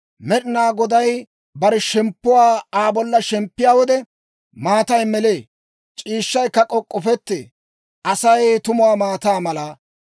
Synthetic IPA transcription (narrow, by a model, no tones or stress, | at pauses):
mɛɗɪnaːɡɔd̪ɐj | bɐɾɛʃɛmpːʊwaːaːbɔlːɐʃɛmpːɪjaːwɔd̪ɛ | maːt̪ɐjmɛleː | t͡ʃʼiːʃːɐjkːɐkʼɔkʼːɔfɛt̪ːḛː | ʔɐsɐjt̪ʊmʊwaːmaːt̪aːmɐlɐ